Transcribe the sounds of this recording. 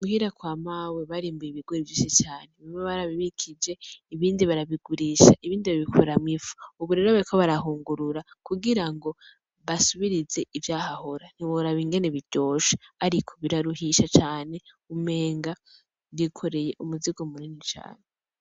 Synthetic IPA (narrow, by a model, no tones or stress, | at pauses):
muhiɾakwaːmaweβaɾiːmbujiβiɡ̥woɾivjiːʃit͡ʃaːneβimeβaɾaβiβikʰid͡ʒe̞iβiːndiβaɾaβiɡuɾiʃa̰ʔiβiːndiβaβikʰoɾamŋifu̥uβuɾe̞ɾoβaɾikʰo̞βaɾaɦuːŋɡuɾuɾakuɡiɾaŋɡo̞ | βasuβiɾize̞ʔivjaːhaho̞ɾan̥iβoɾaβiŋɡe̞neβiɟo̞ːʃḁaɾikʰo̞̥βiɾaɾuɦiʃat͡ʃaːne̞ | ume̞ːŋɡa | βikʰo̞ɾe̞je̞ʔumuziɡomuninit͡ʃa̰ːne